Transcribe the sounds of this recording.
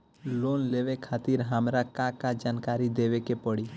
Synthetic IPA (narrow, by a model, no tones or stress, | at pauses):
loːnleʋekʰaːt̪iɾɦamɾakakad͡ʒaːnkaɾid̪eʋekepəɽi